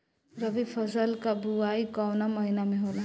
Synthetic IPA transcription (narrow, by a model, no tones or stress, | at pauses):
ɾəbipʰəzəlkabuaikɔwnaməɦinamẽɦola